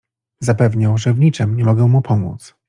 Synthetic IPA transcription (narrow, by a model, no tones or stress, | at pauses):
zapɛvɲawʐɛvɲit͡ʂɘmɲɛmɔɡɛw̃mupʰɔmṵt̪s